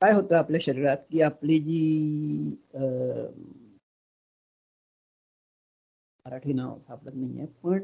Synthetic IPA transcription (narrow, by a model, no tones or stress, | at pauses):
kaːjɦot̪əapljaɕəɾiɾat̪kiːaplid͡ʑiː | məɾaʈʰiːna̰ʋsapɽət̪naijḛpəɳ